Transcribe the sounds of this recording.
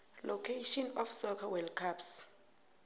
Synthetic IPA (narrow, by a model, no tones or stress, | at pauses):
lɔkʰeʃɔnɔfsɔkʰawɛlkʰaps